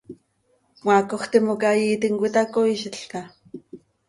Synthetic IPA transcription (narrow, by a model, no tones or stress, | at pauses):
mwakoxt̪imokajiːt̪iŋkʷit̪akoiʃiɬka